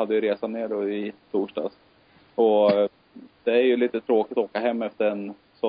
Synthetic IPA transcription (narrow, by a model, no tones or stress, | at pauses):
had̪ːəjɵɾeːsanːeːɖɔɪt̪ʰuːʂɖɑ̰ːs | ɔ | d̪̥ɛæɾjɵliːt̪ət̪ʰɾoːkɪt̪ɔoːkaɦɛmːɛft̪əɾɛn | sɔ